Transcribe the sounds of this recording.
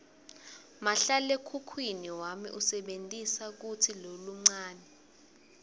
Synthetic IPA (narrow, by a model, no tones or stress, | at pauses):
maɬalekʰukʰwiniwamḭʔusɛɓentʼisak̬utʰiloluŋ͡ǀaːnɛ